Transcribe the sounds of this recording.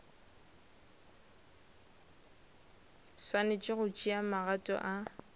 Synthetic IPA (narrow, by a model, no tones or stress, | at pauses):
swanet͡ʃʼɪɣʊt͡ʃʼiamaɣatʼɔ̰ʔa